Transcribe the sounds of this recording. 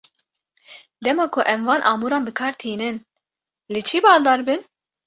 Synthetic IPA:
d̪ɛmɑːkʰʊʔɛmvɑːnʔɑ̰ːmuːɾɑːnbɨkʰɑːɾt̪ʰiːnɨn | let͡ʃʰibɑːld̪ɑːɾbɨn

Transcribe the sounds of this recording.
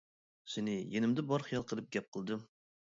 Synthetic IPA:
senɪjenɪmd̪ɛbɑɾχijɑlˠqʰəlˠɨp̚ɡʲɛp̚qʰəlˠd̪ɨm

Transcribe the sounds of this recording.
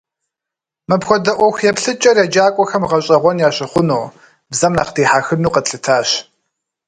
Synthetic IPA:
mɨpxʷɔdɐʔʷɔxjɛpɬɨt͡ʃʼɐrjad͡ʒaːkʷʼɔxɐmʁɐɕʼɐʁʷɔnjaːɕɪχʷʊnuː | bzɐmnaːqdiːħaːxɨnuːqətɬɨtʰaːɕ

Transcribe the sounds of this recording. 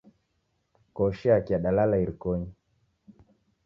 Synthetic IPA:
kɔʃiakiaɗalalaiɾikɔɲi

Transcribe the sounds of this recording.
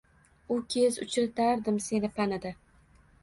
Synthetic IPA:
ʊkʲʰezʊ̰t͡ʃʰɾɪt̪ʰaɾd̪ɪmse̞nɪpʰanɪd̪a

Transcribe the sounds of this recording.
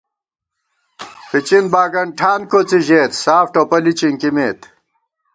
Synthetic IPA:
pit͡ɕinbaːɡɐɳʈʰaːnkoːt͡siʑeːt̪saːfʈopɐlit͡ɕiŋkimeːt̪

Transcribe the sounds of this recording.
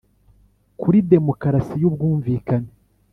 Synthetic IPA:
kuɾide̞mo̞kaɾasijubɡuːɱviːkane

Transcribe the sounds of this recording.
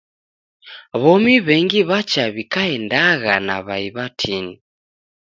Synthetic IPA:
βɔmiβɛŋɡiβat͡ʃaβikaɛndaɣanaβaiβatʰini

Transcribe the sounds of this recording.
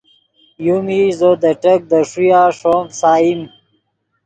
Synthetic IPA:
jumizod̪ɐʈɐk̚d̪ɐʂujaːʂoːmsaːim

